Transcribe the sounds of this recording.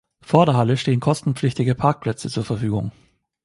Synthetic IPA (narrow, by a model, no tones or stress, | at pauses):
foːɐdeːɐɦaləʃteːənkʰɔstn̩pp͡flɪçtɪɡəpʰaɐk̚pʰl̥ɛt͡sət͡suːɐfɛɐfyːɡʊ̰ŋ